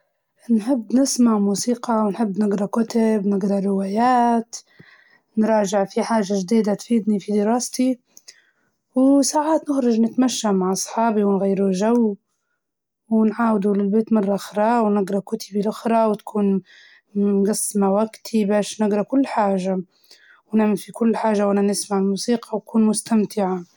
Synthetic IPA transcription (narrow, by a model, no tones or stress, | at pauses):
nħɪbːnɪsmaʕmuːsiːqɑwnħɪbːnɪɡɾˤɑkʊt̪abnɪɡɾˤɑɾɪwaːjaːt̪ | nɾˤɑːʒɪʕfiħaːʒːaʒd̪iːd̪at̪fiːd̪nifid̪ɪɾɑːst̪i | wsaːʕaːt̪nɪxɾˤɑd͡ʒnɪt̪maʃːamaʕʔɑsˤħɑːbiwɪnɣajːɾuʒaw | wɪnʕaːwɪd̪ulɪlbeːt̪mɑrˤːɑxɾˤɑːwnɪɡɾˤɑkʊt̪ʰɪbilʔʊxɾˤɑwɪt̪kʰuːn | ɡɑsːmawaɡt̪ʰibaːʃnɪɡɾˤɑkʊlːħaːʒa | wnɪʕmalfikʊlːħaːʒawʔananɪsmaʕɪlmuːsiːqʰɑwakuːnmʊst̪amt̪ʰɪʕa